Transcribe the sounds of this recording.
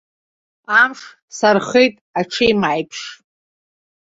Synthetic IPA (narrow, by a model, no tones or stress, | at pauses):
amʂ | sarχejtʼaʈ͡ʂʰejmajpʰʂ